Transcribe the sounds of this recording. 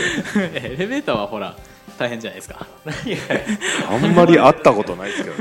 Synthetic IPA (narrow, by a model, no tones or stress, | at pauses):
eɾe̞be̞ːt̪aβaho̞ɾa̰ | t̪aihẽ̞ɲd͡ʑana̰jd̪eskḁ | ãmːaɾʲiat̪ːako̞t̪o̞naik̪